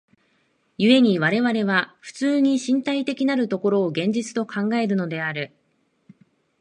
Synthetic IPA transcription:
jɯ̟e̞ɲ̟iβ̞aɾe̞βaɾe̞βaɸɯ̟̥t͡sɨːɲ̟iɕĩnt̪ait̪e̞kʲinaɾɯ̟t̪o̞ko̞ɾo̞ːɡẽ̞ɲ̟d͡ʑit͡sɨ̥t̪o̞kʰãŋɡae̞ɾɯ̟no̞d̪e̞aɾɯ̟

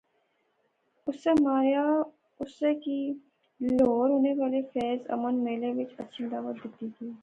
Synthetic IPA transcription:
ʊsːemaːɾja | ʊsːeki | loːɾɦoːneʋaːlefɛːzɐ̰mənmeːleʋɪt͡ʃətːʃʰid̪aːʋət̪̚d̪ɪt̪ːit̪ʰiː

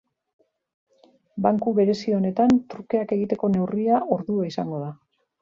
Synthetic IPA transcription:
baŋkuβe̞ɾe̞sio̞ne̞t̪ant̪ɾuke̞ake̞ɣit̪e̞ko̞ne̞wriaʔo̞ɾðuaisaŋɡo̞ða

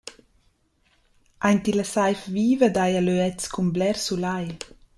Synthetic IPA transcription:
ʔajnt̪ilasajfviːvəd̪ajaløɛt͡skʰumblɛɾsulaj

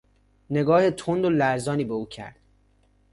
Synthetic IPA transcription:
ne̞ɡɒːhet̪ʰond̪olæɾzɒːniːbeuːcʰæ̰ɾd̪̥

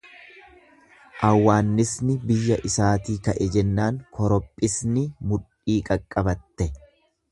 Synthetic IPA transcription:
ʔɐwːaːnːɪsnɪbɪjːɐʔɪsaːt̪iːkɐʔɛd͡ʒɛnːaːŋkʰɔɾɔpʼːɪsnɪmʊᶑ | iːkʼɐkʼːɐbɐt̪ːɛ

